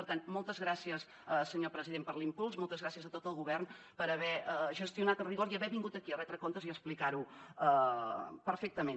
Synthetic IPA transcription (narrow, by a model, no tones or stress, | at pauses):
əɾt̪anmɔlˠt̪əzɣɾasiəs | əsəɲopɾəziðempəɾlimpulˠsmɔlˠt̪əzɣɾasiəzət̪ot̪əlˠɣuβɛrn | pəɾəβɛəʒəst̪iunat̪əriɣoɾiəβɛβiŋɡut̪əkiərɛt̪ɾəkont̪əziəsplikaɾuə | pəɾfɛk̚t̪əme